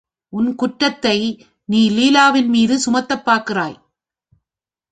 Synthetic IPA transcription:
ʔʊnkʊʈːɐt̪ːɐɪ | niːliːlaːʋɪnmiːðɯsʊmɐt̪ːɐpːaːɾkɪraːj

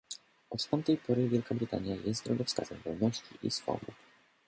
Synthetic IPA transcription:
ʔɔt̪t̪amt̪ɛjpɔɾɘvʲjɛlkabɾɘt̪a̰ɲjajɛst̪d̪ɾɔɡ̪ɔfska̰zɛ̰mvɔlnɔɕt͡ɕiʔisfɔ̰bup

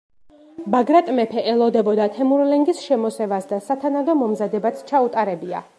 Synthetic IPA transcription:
baɡɾat̪ʼmɛpʰɛʔɛlˠɔd̪ɛbɔd̪at̪ʰɛmuɾlɛŋɡisʃɛmɔsɛvasd̪asat̪ʰanad̪ɔmɔmzad̪ɛbat̪sʰt͡ʃʰaut̪ʼaɾɛbia̰

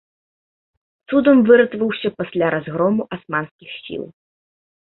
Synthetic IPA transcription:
t̪sud̪ɐmvɨɾɐt̪vɐwsʲɐpasʲlʲaɾʔazɣɾɔmuʔasmanskʲixsʲḭlˠ

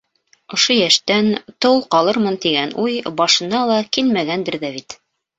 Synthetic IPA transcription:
ŏʃojæʃt̪ænt̪ow̪ˠqɑlˠɤɾmɤnt̪iɡænujbɑʃɤ̆nɑlˠɑkilmæɡænd̪ɘ̆ɾðæβit̪

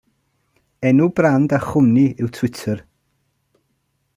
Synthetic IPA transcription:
ɛnubrandaχʊniɪwtʰwɪtʰər

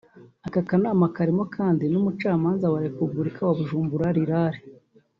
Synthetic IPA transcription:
akakanaːmakaɾimokʰaːndinumut͡ʃaːmaːnzawaɾekuɡuɾikawaβuʒuːmbuɾaɾiɾaːɾe

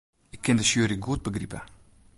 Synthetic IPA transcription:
ɪkʰːɪndəsjøːɾiɡuət̚bəɡripə

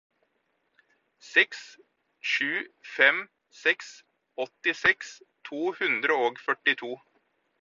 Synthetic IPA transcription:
sɛks | ʃʉːfɛm | sɛks | ɔt̪ɪsɛks | t̪ʰuːhʉnd̪ɾəoːɡfœʈɪt̪ʰuː

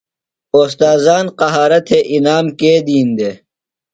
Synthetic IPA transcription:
oːst̪aːzaːnqɐɦaːɾɐt̪ʰeʔinaːmkeːd̪iːnd̪e

